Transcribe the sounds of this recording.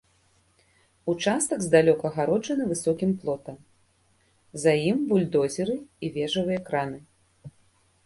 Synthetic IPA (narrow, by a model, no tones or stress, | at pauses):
ut͡ʂast̪ɐɡzd̪alʲɔkɐːɣaɾɔd͡ʐɐnɨvɨsɔkʲimplˠɔt̪ɐm | zajimbulʲd̪ɔzʲɛɾɨivʲɛʐɐvɨjɐkɾanɨ